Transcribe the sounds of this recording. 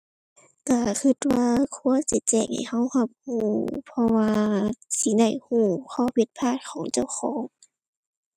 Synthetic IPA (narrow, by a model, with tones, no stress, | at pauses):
ka˧˩kʰɯ˧t̪̚waː˧kʰu˧˨ɐsi˧˩˦t͡ɕɛː˧˩ŋha̰˨˩jha˧˥˨wha˧p̚huː˧˩pʰɔ˧waː˧siː˧˦da˧˩jhuː˧˩kʰɔː˧˩˨pʰi˧˩t̪̚pʰaː˧˩t̪̚kʰɔː˨˩˦ŋt͡ɕa˧˩˨wxɔː˩˦ŋ